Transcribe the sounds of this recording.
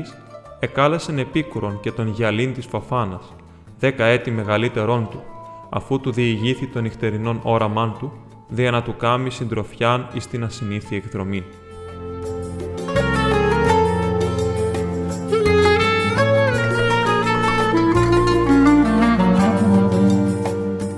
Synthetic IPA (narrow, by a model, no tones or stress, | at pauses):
is | e̞kɐlesene̞pikuɾo̞nce̞t̪o̞nʝɐlint̪isfɐfɐnɐs | ðe̞kɐe̞t̪ime̞ɣɐlit̪e̞ɾo̞nt̪uɐ̰fut̪uðiːʝiθit̪o̞nixt̪e̞ɾino̞no̞ɾɐmɐnt̪u | ðiɐnɐt̪ukɐmisind̪ɾo̞fçɐnist̪inɐsiniθie̞kðɾo̞mi